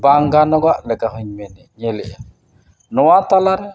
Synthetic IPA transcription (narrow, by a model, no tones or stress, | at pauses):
baŋɡanɔɡalɛkahuɲmɛniɲeliɛ | nɔwatalaɾɛ